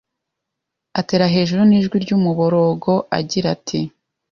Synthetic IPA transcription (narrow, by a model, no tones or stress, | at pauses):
ate̞ːɾaɦe̞ːʒuɾuniːʒɡwiɾɟuːmuβoɾo̞ːɡo̞ʔa̰ɟiɾatʰi